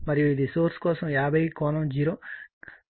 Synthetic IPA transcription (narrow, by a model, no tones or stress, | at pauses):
mɐɾijuid̪isoːɾskɔːsɐmjaːbʱɐjkɔːnɐmd͡ʒiːɾoː